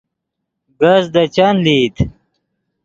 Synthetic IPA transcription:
ɡɐzd̪ɐt͡ɕanliːt̪

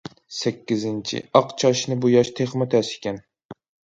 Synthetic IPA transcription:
sɛkʲːɪzɪnt͡ʃʰḭɑqt͡ʃʰɑʃnɨbujɑʃt̪ʰeχmɨt̪ʰɛsɪ̥kʲɛn

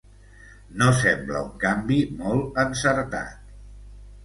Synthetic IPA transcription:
nosɛmblə̰uŋkambimɔlˠənsəɾt̪a̰t̪̚

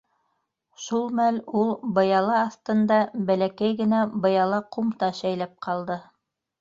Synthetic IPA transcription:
ʃulˠmælulˠbɤ̆jɑlˠɑːθt̪ɤ̆nd̪ɑbælækæjɡɘ̆næbɤ̆jɑlˠɑqumt̪ɑʃæjlæp̚qʰɑlˠd̪ɤ

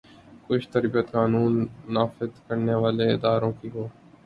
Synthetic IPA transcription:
kʊt͡ʃʰt̪əɾbət̪kaːnuːnːaːfɪzkəɾneːʋaːleːɪd̪aːɾõːkiːɦoː

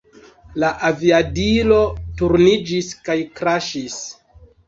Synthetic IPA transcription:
laʔaviadilo̞tuɾnid͡ʒiskajkɾaʃis

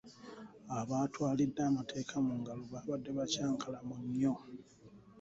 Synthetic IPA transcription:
aβaːtwaːlidːaːmatʰe̞ːkʰamuŋɡaloβaːβadːe̞βacaːŋkalamuɲːo

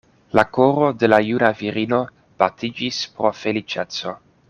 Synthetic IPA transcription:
lakoɾo̞de̞lajunaviɾino̞ | b̥atid͡ʒispɾo̞fe̞lit͡ʃet͡so̞

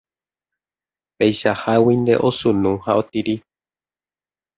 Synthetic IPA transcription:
pejʃahawind̪e̞̰ʔosũnũhaot̪iɾi

